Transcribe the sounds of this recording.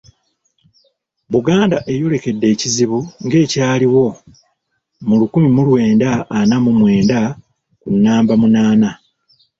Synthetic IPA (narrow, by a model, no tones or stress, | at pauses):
βuɡaːndaʔe̞jole̞ke̞dːe̞ːciziβuŋɡe̞ːcaːliwo̞ | mulukumimulwe̞ːndaːnamumwe̞ːnda | kunːaːmbamunaːna